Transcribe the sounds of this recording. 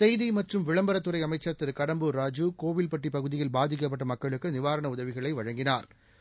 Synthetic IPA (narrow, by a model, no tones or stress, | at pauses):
sɛjðimɐʈrɯmʋɪɭɐmbɐɾɐt̪ːɯɾɐɪɐmɐɪt͡ʃːɐɾt̪ːɪɾkɐɽɐmbɯɾaːd͡ʒukoːʋɪlpɐʈripɐɣɯðɪjɪlbaːðɪk̬ːɐp̬ːɐʈːɐmɐkːɐɭɯkːɯnɪʋaːɾɐɳɐʊðɐʋɪɣɐɭɐɪʋɐɻɐŋɡɪnaːɾ